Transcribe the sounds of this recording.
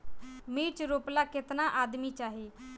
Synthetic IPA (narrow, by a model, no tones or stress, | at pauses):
miːt͡ʃɾoːplakɪt̪naʔaːd̪mit͡ʃaːɦi